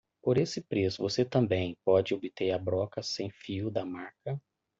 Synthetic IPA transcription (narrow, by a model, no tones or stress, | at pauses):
poɾesɪpɾesʊvoset̪ɐ̃mbẽj̃pɔd͡ʒɪobit̪eɾɐbɾɔkɐsẽj̃fiʊd̪ɐmaɾkɐ